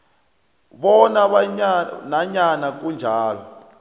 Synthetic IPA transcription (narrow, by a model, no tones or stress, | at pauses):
βɔnaβaɲanaɲanak̬ʼund͡ʒʱaːlɔ